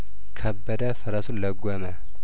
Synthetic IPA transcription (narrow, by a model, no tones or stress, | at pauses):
kʰəbːəd̪əfəɾasuləɡʷɔmə